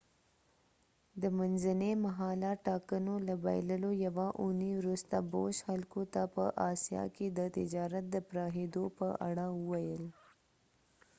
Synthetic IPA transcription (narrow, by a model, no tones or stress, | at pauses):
d̪əmanzanemaɦɑlaʈɑkənolaba̰jləlojawaʔuniwɾust̪abo̰ʃxalkot̪apə̰ʔɑsijɑ̰ked̪ət̪ɪd͡ʒɑɾat̪̚d̪əpɾɑɦed̪opəʔa̰ɽaəwajəl